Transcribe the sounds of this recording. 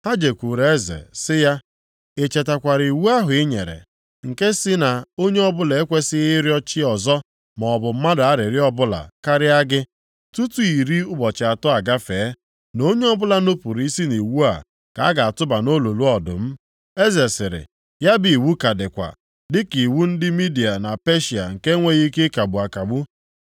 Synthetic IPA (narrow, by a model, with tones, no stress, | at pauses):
ha˦d͡ʒe˨kʷu˨ɾe˦zḛ˨sɪ˦ja˦ | e˨t͡ʃe˨ta˨kʷa˨ɾi˨wu˦a˦ɦʊ˨ɪ˦ɲe˨ɾḛ˨ | ŋ̩˨ke˦sɪ˦na˨o˦ɲe˦ɔ˦bʊ˦le˨e˦kʷe˦sɪ˦ɣɪ˦ɾjɔ˦t͡ʃɪ˦ɔ˨zɔ˦ | mɔ˨bʊ˨m̩˦ma˦dʊ˨a˦ɾɪ˨ɾɪ˦ɔ˦bʊ˦la̰˨ka˦ɾɪ˦a˦ɡɪ˦ | tu˦tu˦i˨ɾi˦ʊ˦bɔ˨t͡ʃɪ˨a˨tʊ˦a˨ɡa˦feː˨˦ | no˦ɲe˦ɔ˦bʊ˦la˦no˦pʊ˨ɾi˨˦i˦si˦ni˨wu˦a̰˨ | ka˨a˦ɡa˨a˨tʊ˦ba˨no˦lo˨lu˦ɔ˨dʊ̰˨m̩˦ | e˦ze˨sɪ˨ɾɪ̰˨ | ja˦bi˨wu˦ka˨dɪ˨kʷa̰˨ | dɪ˦ki˨wu˦n̩˦dɪ˦mi˦di˨a˨na˨pe˦ʃi˨a̰˨ŋ̩˨ke˦ŋʷe˦ɣi˦ke˦ka˨bu˨a˨ka˨bu˦